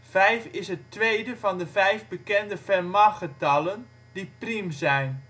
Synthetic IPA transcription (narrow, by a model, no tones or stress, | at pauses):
vɛjfɪsɦətːʋejdəvɑndəvɛjvbəkɛndəfɛrmaχətɑlˠən | diprimzɛjn